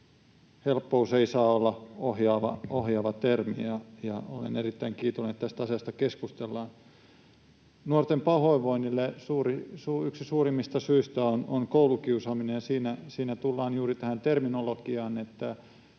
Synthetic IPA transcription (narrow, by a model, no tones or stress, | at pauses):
helpːouseisɑːolːɑohjɑːʋɑ̰ohjɑːʋɑt̪ermḭɑjɑo̰lḛnerit̪ːæiŋkiːt̪oneet̪t̪æst̪æɑsiɑst̪ɑkeskust̪elːɑːn | nuort̪empɑhoiʋoinilːesuːrisuyksisuːrimːist̪ɑsyist̪æononkoulukiusɑːminejjɑsiːnæsiːnæt̪ulːɑːnjuːrit̪æhænt̪erminolokiɑːnet̪ːæ